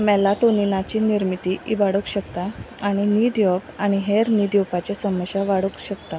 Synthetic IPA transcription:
mɛlaʈoninat͡ɕiːniɾmit̪iibaɽəkɕəkt̪a | aɽ̃iniːd̪jɔpaɽ̃iɦeɾnid̪jowpat͡ɕesəməɕjaʋaɽəkɕəkt̪a

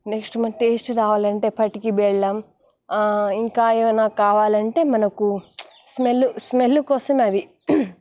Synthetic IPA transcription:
neksʈmɐʈeːsʈɾaːʋaːlɐɳʈe̞ːpʰɐʈikibɛɭːɐːm | iŋkaːeʋɐnaːkaːʋaːlɐɳʈe̞ːmɐnɐku | smelːusmelːukɔːsɐmɐʋi

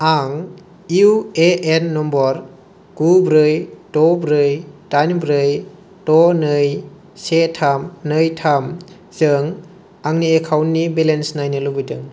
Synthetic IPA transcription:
aŋ | iueenːɔmbɔɾ | ɡ̥ubɾɯjtɔbɾɯjtanbɾɯj | tɔnɯj | setʰamnɯjtʰam | zɯŋ | aŋniekʰawnːibelensnajnɯlubɯjdɯŋ

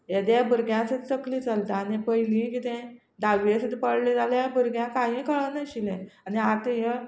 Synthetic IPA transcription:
jed̪jabʱəɾɡjãsət̪t͡səkliːt͡salt̪aːnepəɦilĩkit̪ɛ̃ | d̪aʋiesəd̪pəɽled͡zaljabʱəɾɡjãkaɦĩkəɭənaɕilɛ̃aniat̪ejə

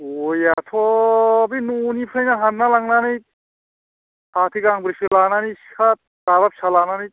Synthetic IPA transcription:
ojat̪ʰɔbinunipʰɾejnaɦanːalaŋnanijt̚ | hat̪ʰiɡaŋbɾisilananisat̪̚daβap̚salananijt̪̚

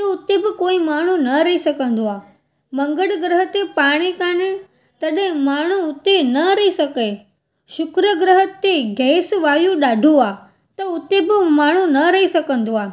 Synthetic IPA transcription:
toʊt̪ebɪkoːimaːɳ̤ũnɐɾɐisɐkə̃nd̪oaː | mɐ̃ŋɡəɽɡɾəɦət̪epaːɽ̃ikãːnẽ | t̪ɐɗẽmaːɳ̤ũʊt̪enɐɾɐisɐke | ʃʊkɾəɡɾəɦət̪ːeɡʱɛːsʋaːjũɗaːɖʱuaː | t̪ɐʊt̪ebɪmaːɳ̤ũnɐɾɐɦisɐkə̃nd̪oaː

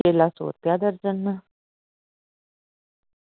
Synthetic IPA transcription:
elaso̰ːɾp̪jad̪əɾd͡zənːə

